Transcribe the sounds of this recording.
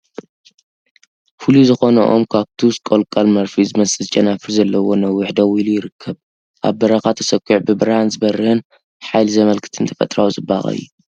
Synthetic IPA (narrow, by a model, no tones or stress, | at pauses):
fɨluzɨxo̞nɐʔo̞̰mkʰaβt̪ʰuskʼolkʼalmɐɾfizɨmɐsʼɨzɨt͡ʃʼɐnafɨɾzɐlːɐwo̞nɐwːʊħd̪ɐwilujɪɾɨkʰːɐβ | ʔa̰βbɐɾɐxat̪ʰɐsɐkʼːuʕbɨbɨɾhanzɨbɐrɨhɨn | ħajlzɐmɐlkʰɨ̥t̪ʰɨnt̪ʰɐfɐ̰t̪ʼɾawuzɨba̰ɣʼɐ̰jːu